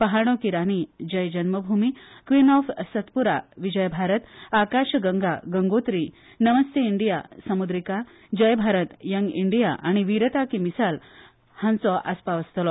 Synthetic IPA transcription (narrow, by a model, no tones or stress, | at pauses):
pəɦaɽ̃okiɾaɽ̃id͡ʑəjd͡ʑənməbʱumikʋinɔfsət̪puɾa̰ʋid͡ʑəjbʱaɾət̪akaɕɡəŋɡaɡəŋɡot̪ɾi | nəməst̪ʰeiɳɖijasəmud̪ɾika | d͡ʑəjbʱaɾət̪jəŋɡiɳɖijaʔaɽ̃iʋiɾət̪akimisal | hãnt͡sɔʔaspaʋəst̪lɔ